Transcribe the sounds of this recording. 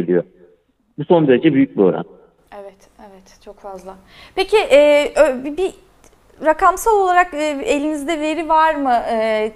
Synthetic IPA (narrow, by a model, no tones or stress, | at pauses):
ilʲyjo | buso̞nd̪e̞ɾed͡ʒɛbyjyc̚biøɾæ̰n | evɛt̪ | evɛt̪t͡ʃʰo̞kfazlˠa | pecʰiʔɛːʔøbibi | ɾakamsalˠo̞lˠaɾakːe̞lʲinizd̪ɛve̞ɾivaɾmɯɛː